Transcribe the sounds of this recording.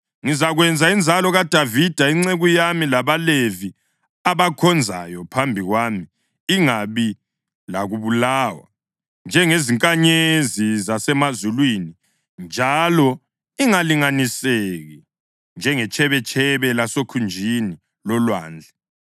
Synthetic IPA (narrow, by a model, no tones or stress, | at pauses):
ŋizaɣwɛnd͡zʱaind͡zʱalɔɣad̥ʱavid̥ʱaiŋ͡ǀeɣujamilaβalevi | aβakʰɔnd͡zʱa̰jɔpʰambʱiɣwaːmiː | ŋaβi | laɣuβulaːwa̰ | nd͡ʒʱɛŋeziŋkʼaɲezizasɛmazulwini | nd͡ʒʱalɔ | iŋaliŋaniseɣi | nd͡ʒʱɛŋɛt͡ʃʰʼɛβɛt͡ʃʰʼɛβɛlasokʰund͡ʒʱini | lɔlwa̰ːnd͡ɮʱɛ